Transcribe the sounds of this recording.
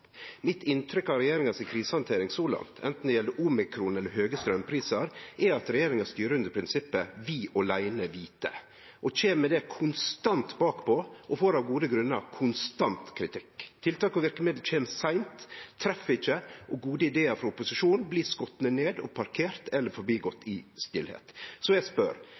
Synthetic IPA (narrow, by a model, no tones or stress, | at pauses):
mɪt̪ɪnt̪ʰɾʏkɑɾɛjeːɾɪŋɑsɪkʰɾiːsəhɑnt̪ʰeːɾɪŋsoːlɑ̰ŋt̪ʰɛ̰nt̪n̩d̪ɛjɛlːəɾʔuːmɪkʰɾuːnɛlːəɾɦøːɡəst̪ɾœmpʰɾiːsɑɾʔɛɾɑt̪ɾɛjeːɾɪŋɑst̪yːɾəʉnd̪əɾpʰɾɪnsɪpːəʋiːʔɔlæɪnəʋiːt̪ə̰ | ʔɔt͡ʃeːmmɛd̪ɛkʰʊnst̪ɑnt̪bɑːkpʰɔʔɔfoːɾɑʋɡuːd̪əɡɾʉnːə̰ɾkʰʊnst̪ɑnt̪kʰɾɪt̪ʰɪkːt̪ʰɪlt̪ʰɑːkɔʋɪɾkəmɪd̪lc͡çʰeːmsæɪmt̪ʰːɾɛfɪçːəʔɔɡuːd̪əɪd̪eːəɾfɾɑʊpʊsɪʂuːnn̩bliːskɔt̪nəneːd̪ɔ̰pʰɑɾkʰeːɾt̪ʰɛlːəɾfɔɾbiːɡɔt̪ʰːɪst̪ɪlhḛːt̪sɔjæɪspœ̰ɾ